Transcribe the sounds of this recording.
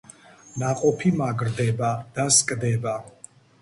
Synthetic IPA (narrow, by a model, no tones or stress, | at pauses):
naqʼɔpʰimaɡɾd̪ɛbad̪̥askʼd̪ɛba